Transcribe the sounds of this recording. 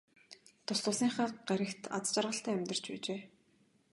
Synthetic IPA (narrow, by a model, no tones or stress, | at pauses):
t̪ʰʊsɮʊ̆ːsiːŋχaːɢæɾʲɘ̆kt̪ʰa̰t͡st͡ɕarʁə̆ɬt̪æːæmʲt̪ə̆r̥t͡ɕpæ̰ːt͡ɕeː